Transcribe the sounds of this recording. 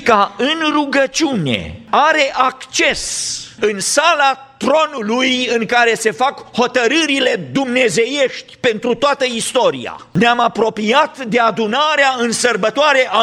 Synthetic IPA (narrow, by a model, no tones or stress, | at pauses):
kaɨnruɡət͡ʃiune̞̰aɾe̞ʔakt͡ʃe̞sɨnsala | t̪ɾo̞nulujɨŋkaɾe̞se̞fakho̞t̪əɾɨɾile̞d̪umne̞ze̞je̞ʃt̪ʲpe̞nt̪ɾut̪oat̪əist̪o̞ɾḭja̰neamapɾo̞piat̪d̪e̞ad̪unaɾeaɨnsərbət̪oaɾe̞ʔa